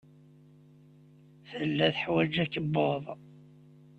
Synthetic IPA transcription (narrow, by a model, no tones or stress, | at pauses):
θəlːæθħwæd͡ʒækːəbːoðˤ